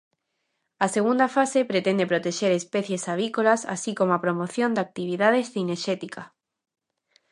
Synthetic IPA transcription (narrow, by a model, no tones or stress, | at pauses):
aseɣund̪afasepɾet̪ẽnd̪epɾot̪eʃeɾespeθjesaβ̞ikolasa̰sikomoapɾomoθjond̪ak̚t̪iβ̞iðaðesθineʃet̪ika